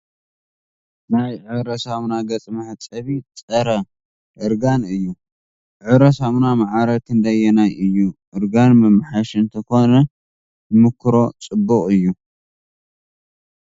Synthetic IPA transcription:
najʕɨβɾɐsaβnaɡɐt͡sʼmɐħt͡sʼɐβit͡sʼɐɾɐ | ʔɨɾɡanɨjːu | ʕɨβɾɐsaβnamaʕaɾɐt̪ʰɨnd̪ajːɛnajʔɨjːuʔɨɾɡanmɨmɨħaʃɨnt̪ʰɐko̞nɐ | ɨmɨkʰːɾo̞t͡sʼɨbːɨχʼɨjːu

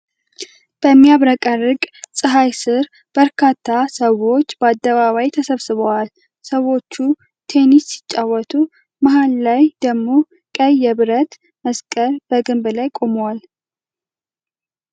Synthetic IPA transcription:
b̥əmːijaβɾəkʼərːɨkʼsʼɨɦajsɨɾ | b̥əɾkʰat̪ʰːasəwo̞t͡ʃːbəad̪ːəβaβajt̪ʰəsəβsɨβəwal | səwo̞t͡ʃːu | t̪ʰe̞nisːɪ̥t͡ʃʼːawɔt̪ʰu | maɦallajd̪əɡmo̞ | kʼəjːɛβɨɾət̪ | məskʼəɾbəɡɨmblajkʼo̞mowal

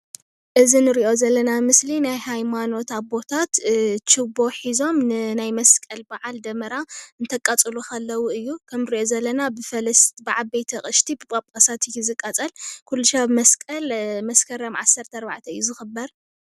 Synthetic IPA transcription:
ʔɨzinɨɾiʔo̞zɐlːɐnamɨslinajhajmano̞t̪aβbo̞t̪ʰat̪t͡ʃʰɨbo̞ħizo̞mnɨnajmɐskʼɐlbaʕald̪ɐmɐɾaɨnt̪ʰɐkʼːat͡sʼɨlukɐlːɐwuɨjːukʰɐmɾiʔo̞zɐlːɐnabɨfɐlɐst̪bɨʕalbejt̪ʰɐχʼɨʃt̪ʰibɨpʼapʼkʼasat̪ɪjizɨkʼːɐt͡sʼɐlkʰulːuʃabmɐskʼɐlmɐskʰɐɾɐmʕasːɐɾt̪ʰɐːɾba̰ʕt̪ʰɐɨjːuzɨxɨbːɐɾ

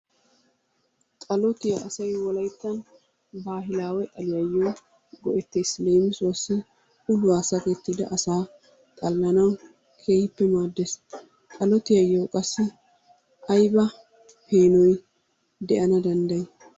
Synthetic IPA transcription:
t̪ʼɐlɔt̪ɪjɐɐsɐjwɔlɐjt̪ːɐn | baːɦɪlaːwɛt̪ʼɐlɪjɐjːoː | ɡɔʔɛt̪ːeːsle̞ːmɪswɐsːɪ | ʊlʊaːsɐkeːt̪ːid̪ɐ̰ʔɐsaː | t̪ʼɐlːɐnɐw | kʰe̞ːhɪpːɛmaːd̪ːes | t̪ʼɐlɔt̪ɪjɐjːoːkʼɐsːɪ | ʔɐjbɐ | heːnɔj | d̪ɛʔɐnɐd̪ɐnd̪ɐj

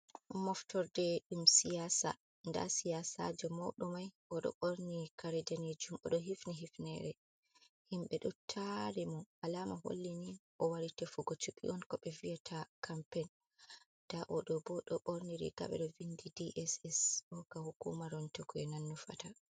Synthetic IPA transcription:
mɔftɔɾdɛɗumsijasa̰ | nda̰sijasa̰d͡ʒɛmɔ̰ɗɔmajʔɔɗɔ̰ɓoɾnikaɾɛdaned͡ʒumɔɗɔɦifniɦifnɛɾɛ | himɓɛɗɔtʰaɾimɔalamaɦo̰lːiniʔɔwaɾitɛfuɡɔt͡ʃukḭʔɔnkɔɓɛvijatʰakʰampɛn | d̥aʔɔɗɔbɔɗɔɓoɾniɾḭka̰ɓɛ̰ɗɔvindidiʔɛsɛsɔkahukṵmaɾɔntokuɛnanːufa̰ta

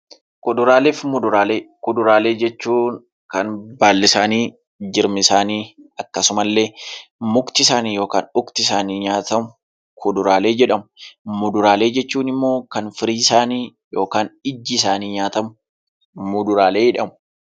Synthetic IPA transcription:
kʊd̪ʊɾaːleːfmʊd̪ʊɾaːleːkʊd̪ʊɾaːle̞ːd͡ʒɛt͡ʃːuːn | kɐnbaːlːɪsaːniː | d͡ʒɪɾmɪsaːniːɐkːɐsʊmɐlːe̞ːmʊkt̪ɪsaːniːjo̞ːka̰ːnʊkt̪ɪsaːniːɲaːt̪ɐmʊ | kʰʊd̪ʊɾaːle̞ːd͡ʒɛᶑɐmʊmʊd̪ʊɾaːle̞ːd͡ʒɛt͡ʃːuːnɪmːo̞ːkɐnfɪɾiːɪsaːniː | jo̞ːkaːnɪd͡ʒːɪs̬aːniːɲaːt̪ɐmʊ | mʊd̪ʊɾaːle̞ːɪᶑɐmʊ̥

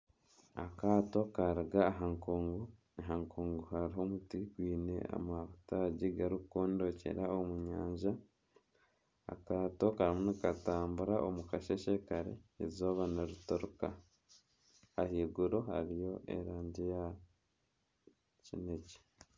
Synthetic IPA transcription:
a̰kaːto̞kaɾiɡaːɦaŋkoŋɡo | ɦaŋkʰoːŋɡohaɾiɦo̞mutiɡwiːnḛa̰maβutaɟiɡaɾukkoːndo̞ce̞̰ɾaomuɲaːɲʒa | a̰kaːto̞kaɾimunikataːmbuɾaʔo̰mukaʃeʃekaɾḛḛzoːβanaɾutoɾuka | ahiːɡuɾoha̰ɾijo̞ʔḛɾaːɲɟija | cineci̥

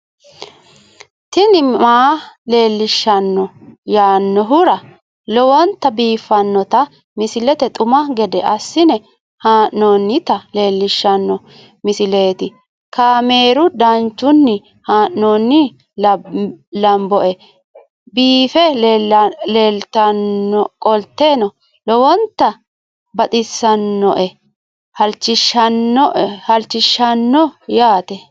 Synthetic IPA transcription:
t̪ɪnɪmaːle̞ːlːɪʃːɐnːɔjaːnːɔɦʊɾɐ | lɔwɐnt̪ɐbiːfːɐnːɔt̪ɐ | mɪsɪlɛt̪ɛt̪ʼʊmɐɡɛd̪ɛʔɐsːɪnɛ | haːʔnoːnːɪt̪ɐle̞ːlːɪʃːɐnːɔ | mɪsɪle̞ːt̪ɪ | kaːme̞ːɾʊd̪ɐnt͡ʃːʊnːɪ | haːʔnoːnːɪ | lɐmbɔʔɛ | biːfɛ | leːlt̪ɐnːɔkʼɔlt̪ːe̞ːnɔ | lɔwɔnt̪ːɐ | bɐt̪ʼɪsːɐnːɔ̰ʔɛ | hɐlt͡ʃːɪʃɐnːɔhɐlt͡ʃːɪʃːɐnːɔjaːt̪ɛ

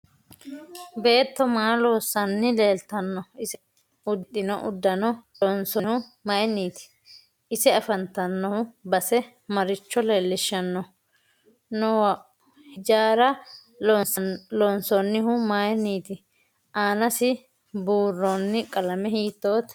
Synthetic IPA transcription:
be̞ːt̪ːɔmaːloːsːɐnːɪle̞ːlt̪ɐnːɔɪsɪ | ʊt̪ːɪnɔʔʊd̪ːɐnɔlɔnsɔhʊmɐjnːiːt̪ɪ̥ | ɪsɛɐfɐnt̪ːɐnːɔhʊbɐsɛ | mɐɾɪt͡ʃːɔle̞ːlːɪʃːɐnːɔ | nɔw | hɪd͡ʒaːɾɐ | nsɐlɔnsɔnːɪhʊmɐjniːt̪ɪ | ʔaːnɐsɪ | buːrːonːɪkʼɐlɐmɛhiːt̪ːo̞ːt̪

